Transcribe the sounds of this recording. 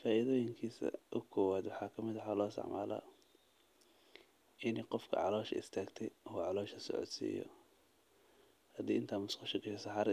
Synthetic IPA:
faːʔɪðɔːjɪŋkʰiːsɐ̰ʔʊkʰɔːwaːd̪wɑħɑːkʰɐmɪðħaːlɔːsɑ̰ʕma̰ːla̰ | ʔɪnɛqɔfkʰɐ̰ʕɑ̰lɔːʃɐ̰ʔɪ̰st̪ʰaːɡt̪ʰɛjuːʕɑlɔːʃɐsɔ̰ʕɔ̰d̪sḭːjɔ̰ | hɐd̪ḭːɪnt̪ʰaːmʊskɑʃɐɡɛʃɛsɑħɑːɾ

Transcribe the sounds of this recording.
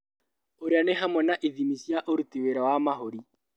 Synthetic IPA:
oɾeaneɦamwɛnaʔiðimisjaʔoɾutiweɾawamaɦoɾi

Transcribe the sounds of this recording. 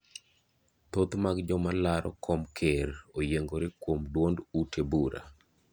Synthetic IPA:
t̪ot̪maɡd͡ʒɔmalaɾɔ̰kʰɔmkʰeɾojeŋɡoɾɪkwomdwondutebuɾa̰

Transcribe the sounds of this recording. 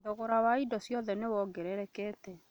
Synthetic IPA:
doɣoɾawaidɔsjɔðɛnewɔɡɛɾɛɾɛkɛːtɛ

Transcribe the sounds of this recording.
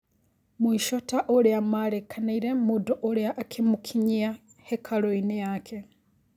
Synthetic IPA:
muiʃotaʔoɾiamaɾekʰanaiɾemudoʔoɾjaʔːkʰemukʰiɲia | hekʰaloinejakʰe

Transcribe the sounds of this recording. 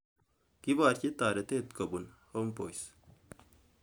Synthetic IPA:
kibaːɾt͡ʃit̪aːɾɐt̪eːt̪kɐbunhoːmpoːjs

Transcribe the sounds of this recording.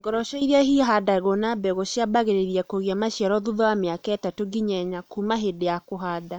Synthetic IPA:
ŋɡɔɾɔʃɔiɾeaɦiɦadaɣonabɛɣoʃjabaɣeɾeɾjɛkoɣjamaʃjɛɾɔðuðɔwameakaɛtatoɡiɲɛɲakumaɦedejakoɦaːda

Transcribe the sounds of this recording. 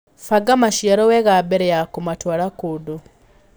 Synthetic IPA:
faɡamaʃjaɾɔwɛɣabeɾɛjakumatwaɾakodo

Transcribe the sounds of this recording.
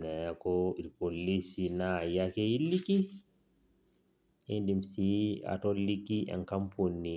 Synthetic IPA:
nɛakɔilpolisinajakɛiliki | endimsia̰tɔlikːiʔa̰ŋkamponːi

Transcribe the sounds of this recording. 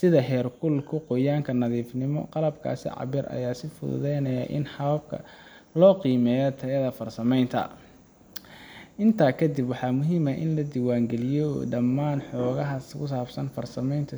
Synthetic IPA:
sɪðɐɦɛːrkʰʊlkʰʊqɔjaːŋkʰɐnɐðiːfnɪmɔ̰qɑlɐbkʰa̰ːsɪ̰ʕɑ̰βɪɾɐ̰jaːsɪfʊ̰ðʊ̰ðɛjnɐjɐ̰ʔɪ̰nħɑβɐb̚kʰɐ̰ | lɔːqiːmɛːjɔt̪ʰɐɣɐðɐfɐrsɐmɛjnt̪ʰɐ̰ | ʔɪnt̪ʰaːkʰɐd̪ibwɑħɑːmʊɦiːmɐʔɪ̰nlɐd̪iwaːŋɡɛlɪjɔɖɐmːaːnħɔːɣɐɦɐkʰʊs̬aːbsɐnfɐrsɐmɛjnt̪ʰɐ

